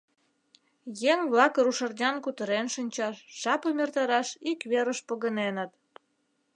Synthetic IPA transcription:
jeŋβlɑkəɾuʃərd̪ʲɑnkut̪əɾenʃənʲt͡ɕɑʃʒ̥ɑpəmert̪ɑɾɑʃikβeɾəʃpoɣənenət̪

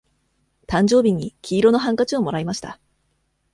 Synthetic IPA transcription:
t̪ãɲ̟d͡ʑo̞ːbʲiɲ̟ːikʲʰiːɾo̞no̞ɦãŋkat͡ɕio̞mo̞ɾaimaɕi̥t̪a̰

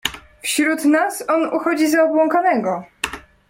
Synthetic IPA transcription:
fɕɾut̪nasɔnuxɔd͡ʑizaɔbwɔŋkanɛɡɔ

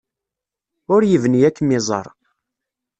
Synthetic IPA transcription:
ʊɾjəvnijækːmɪzˤɑ̰ɾˤ

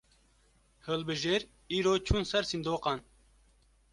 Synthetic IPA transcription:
hɨlbɨʒeːɾ | iːɾoːt͡ʃʰunsɛɾsind̪oːqɑn

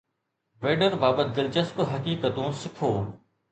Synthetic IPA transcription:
ʋeːɖəɾbaːbət̪̚d̪ɪlt͡ɕɐsbɦɐkiːkət̪õːsɪkʰoː

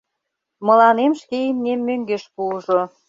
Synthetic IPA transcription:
mɤ̆lɑnemʃkeimnemːøŋɡeʃpuəʒo

